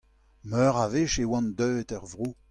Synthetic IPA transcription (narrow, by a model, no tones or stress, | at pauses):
mœːʁaveʃewɑ̃nd̪œːt̪ɛʁvʁo